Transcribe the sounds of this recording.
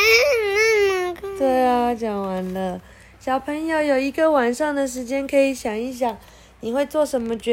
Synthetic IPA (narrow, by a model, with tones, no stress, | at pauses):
t̪we˥˩ɪa˨˦t͡ɕjɑ˨˩ŋwa˨˧˦nlə˧ | ɕjɑ˨˩ʊpʰə˧˦ŋjo˨˩ʊjo˨˩ʊi˧˥ɡə˧˨wa˨˩nʂɑ˥˩ŋd̪ə˨ʂ̬ɻ̩˧˥t͡ɕjɛ˥nkʰə˧˥i˨˧˥ɕjɑ˨˩ŋi˧˥ɕ̬jɑ˨˩ŋ | ni˨˩xwe˥˧ɪt͡swɔ˥˨ʂə˧˦nmə˧t͡ɕɛ˧˥